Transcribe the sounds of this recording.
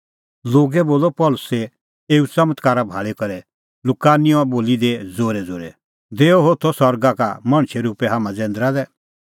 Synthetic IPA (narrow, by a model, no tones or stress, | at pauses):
loːɡɛboːlɔpɔːlʊsɛ | eːut͡sɐmət̪kaːɾabʱaːɭekɐɾɛ | lʊkaːnijɔ̃boːlid̪ed͡zoːɾɛd͡zoːɾɛ | d̪eːɔɦot̪ʰɔsɔɾɡaka̰mɐɽ̃t͡ʃʰɛɾuːpɛɦaːmãd͡zɛ̃ːnd̪ɾad̪ɛ